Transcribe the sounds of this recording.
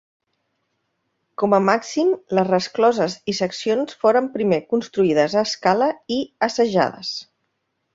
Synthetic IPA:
kɔməmaksimləzrəsklɔzəzisəksionsfoɾəmpɾimekunst̪ɾuiðəzəːskaləiəsəʒa̰ðə̰s

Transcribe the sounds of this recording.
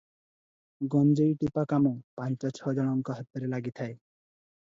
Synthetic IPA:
ɡɔnd͡ʒeiʈipakamũpant͡ʃɔt͡ʃʰɔd͡ʒɔɽ̃ɔŋkɔɦɔt̪ːɔɾelaɡit̪ʰae

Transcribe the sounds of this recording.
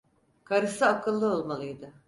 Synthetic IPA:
kʰaɾɯsɯakʰɯlˠːɯo̞lˠmalˠɯjd̪ɯ

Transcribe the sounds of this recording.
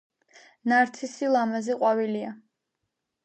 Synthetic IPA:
naɾt̪sʰisilˠamazɛqʼwavilia

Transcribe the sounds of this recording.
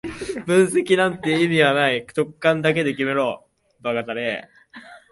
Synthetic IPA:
bɯ̟̃ɰ̃se̞kʲinãnt̪e̞imʲiɡanaikt̪o̞kːãnd̪ake̞d̪e̞k̬ʲime̞ɾoː | baɡat̪aɾe

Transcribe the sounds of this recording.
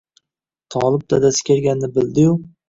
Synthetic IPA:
t̪ʰɒlˠɪb̚d̪ad̪asɪ̥kʲʰeɾɡʲanːɪbɪld̪ɪjʊ

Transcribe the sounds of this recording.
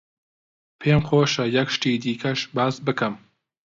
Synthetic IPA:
pʰeːmxoːʃɐjɐkʃt̪iːd̪iːkʰɐʃbaːsbɨkʰɨm

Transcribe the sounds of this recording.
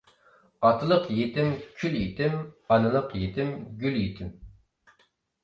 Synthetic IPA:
ɑt̪ʰɨlˠəqjet̪ɪmkʲʰyljet̪ʰɪmɑnɨlˠəqjet̪ʰɪmɡʲyljit̪ʰɪm

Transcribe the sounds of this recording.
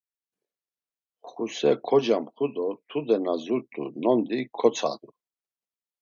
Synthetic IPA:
χusɛkʰɔd͡ʒamχud̪ɔt̪ʰud̪ɛnazuɾt̪ʼṵnɔnd̪ikʰɔt͡sʰa̰d̪u

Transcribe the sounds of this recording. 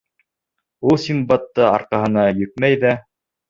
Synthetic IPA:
ulˠsʲimbɑt̪ːɤɑ̰ɾqɑɦɤ̆nɑjɵ̆k̚mæjðæ

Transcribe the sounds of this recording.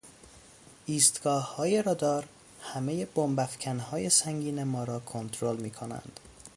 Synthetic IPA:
ʔiːst̪ɡ̥ɒːhhɒːjeɾɒːd̪ɒːɾ | hæmeje̞b̥ombæfcʰænhɒːje̞sæŋɟiːnemɒːɾɒːkʰont̪ʰɾolmiːkʰonæ̰nd̪̥

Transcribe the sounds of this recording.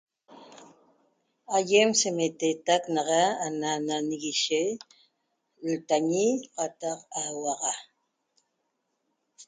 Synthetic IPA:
ajemsemet̪et̪aknɑʁɑanananiɣiʃe | lt̪aɲiqɑt̪ɑqawɑʁɑ

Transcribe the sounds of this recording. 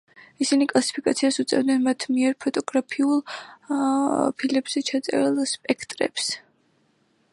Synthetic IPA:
isinikʼlˠasi̥pʰikʼat̪sʰiasut̪sʼɛ̰vd̪nɛnmat̪ʰmiɛɾpʰɔt̪ʼɔɡɾapʰiulˠ | pʰilɛbz̥ɛt͡ʃʰat̪sʼɛ̰lˠspʼɛkʰt̪ʼɾɛ̰ps

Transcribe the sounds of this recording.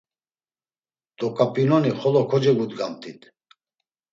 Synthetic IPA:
d̪̥ɔkʼapʼinɔniχɔlɔkʰɔd͡ʒɛɡud̪ɡamt̪ʼit̪ʰ

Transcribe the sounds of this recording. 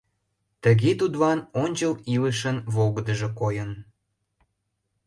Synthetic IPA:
t̪əɣet̪ud̪βɑnonʲt͡ɕəliləʃənvoɣd̪əʒĕkojən

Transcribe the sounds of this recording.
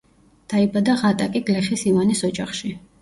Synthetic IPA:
d̪̥aibad̪aʁat̪ʼakʼiɡlɛχisivanisɔd͡ʒaχʃi

